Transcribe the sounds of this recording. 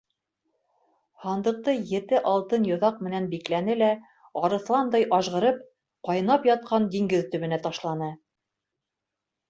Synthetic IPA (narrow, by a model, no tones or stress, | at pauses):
hɑnd̪ɤ̆q̚t̪ɤjɘ̆t̪ɘʔɑlˠt̪ɤnjŏðɑq̚mɘ̆nænbiklænɘlæ | ɑɾɤ̆θlˠɑnd̪ɑjʔɑʒʁɤ̆ɾɤp̚ | qɑjɤ̆nɑpjɑt̪̚qɑnd̪iŋɡɘðt̪ɵ̆βɘ̆næt̪ɑʃlˠɑnɤ